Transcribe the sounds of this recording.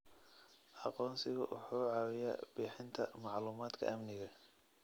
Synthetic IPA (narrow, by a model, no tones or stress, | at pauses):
ʔɑqɔːnsɪɣʊ̰ʔʊ̰ħuːʕɑːwɪja̰ːb̥iːħɪnt̪ʰɐ̰mɑʕluːmaːd̪kʰɐ̰ʔɐmnɪɣɐ